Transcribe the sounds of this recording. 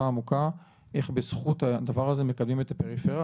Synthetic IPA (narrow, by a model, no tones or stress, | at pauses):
aːmuka | ʔe̞χbesχut̪ad̪avaʁazeme̞kablmimet̪ape̞ʁifeʁa